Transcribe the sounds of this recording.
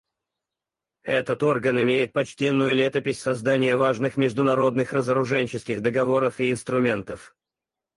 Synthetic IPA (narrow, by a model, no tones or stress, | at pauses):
ɛt̪ət̪o̞rɡənɪmʲejɪt̪̚pɐt͡ɕtʲenːʊjʊlʲet̪əpʲɪsʲsɐzd̪anʲɪjəvaʐnɨxmʲɪʐd̪ʊnɐɾo̞d̪nɨxrəzəɾʊʐɛnʲt͡ɕɪskʲɪɣd̪əɡɐvo̞ɾəfiɪnst̪ɾʊmʲe̞nt̪əf